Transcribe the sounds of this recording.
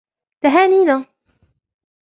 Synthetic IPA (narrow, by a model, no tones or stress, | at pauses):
t̪aɦaːniːna